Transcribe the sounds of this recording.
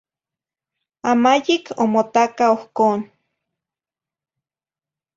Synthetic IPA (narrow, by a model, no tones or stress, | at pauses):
amajikʰomot̪akaohkoːn